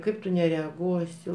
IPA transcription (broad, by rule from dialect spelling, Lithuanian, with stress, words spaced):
ˈkɐɪp tʊ nʲɛrʲɛɐˈɡuɔsʲɪ